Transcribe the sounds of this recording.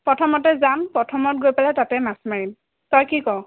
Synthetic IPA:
pɹɔtʰɔmɔtɛzanpɹɔtʰɔmɔt̚ɡojpalɛtatɛmasmaɹim | tɔjkikɔw

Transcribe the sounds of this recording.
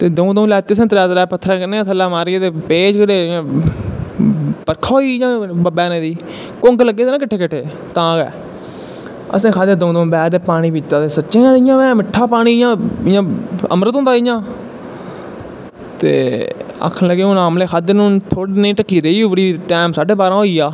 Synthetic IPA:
t̪eːd̪əũːd̪əũlɛːt̪ːiːəs̬ə̃ːt̪ɾɛːt̪ɾɛːpət̪ʰːɾãːknẽːt̪ʰəlːaːmaːɾiet̪eːpeːd͡ʒkəɾeːãː | pəɾkʰaoːiːjãːbəbɛːnẽːd̪iː | kõŋɡləɡːeːt̪eːnãːkɪʈʰːeːkɪʈʰːeː | t̪ãːkɛ̰ː | ə̰sẽːkʰaːd̪ẽːd̪õːd̪õːbɛːd̪eːpaːɽ̃iːʋɪt͡ʃt̪ãːt̪eːsətːʃẽːãːɪjãːʋɛ̃ːmɪʈʰːaːpaːɽ̃iːjãːɪjãːə̰mɾət̪õːnd̪aːɪjãː | t̪ḛːə̰kʰnləɡeːõːnaːmleːkʰaːd̪enũːt̪ʰoːɽinẽːʈəkːiːɾəiːuːʋəɽiːʈɛːmsaːɖeːbaːɾãːɦoːiːaː

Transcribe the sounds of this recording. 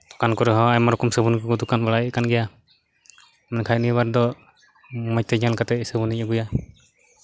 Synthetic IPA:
d̪̥ɔ̥kankɔɾɛɦɔ̃ajmaɾɔkɔmsəbunikɔɡɔd̪ɔkanbaɽaɛkanɡɛja | mɛnkʰajnibaɾd̪ɔ | mɔj̚t̪ɛd͡ʒalkat̪ɛsəbunicɔɡuja

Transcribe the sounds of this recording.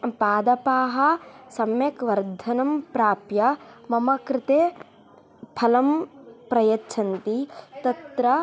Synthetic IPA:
paːd̪ɐpaːɦɐsɐmjɐkʋɐɾd̪ʱɐnɐmpɾaːpjɐmɐmɐkɾɪt̪eː | pʰɐlɐmpɾɐjɐtːt͡ʃʰɐnt̪it̪ɐt̪ɾɐ

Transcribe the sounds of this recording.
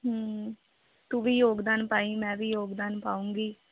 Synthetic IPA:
ɦə | t̪uːʋiːjoːɡd̪aːnpaːĩːmɛ̃ːʋiːjoːɡd̪aːnpaːũːŋɡiː

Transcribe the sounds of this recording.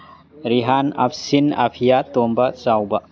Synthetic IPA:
ɾiɦana̰pʰsina̰pʰijat̪ombɐt͡ʃawbɐ

